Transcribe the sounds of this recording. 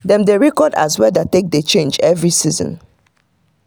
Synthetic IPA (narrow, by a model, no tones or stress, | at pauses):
dɛ̃mdeɹɛkɔda̰zwɛdatek̚det͡ʃẽnd͡ʒɛvɹisizɔ̰̃n